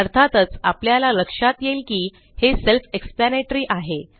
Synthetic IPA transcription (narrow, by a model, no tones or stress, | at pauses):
əɾt̪ʰat̪ət͡sapljalaləkʂat̪jelkiː | heselfeksplaneʈɾiːʔaɦe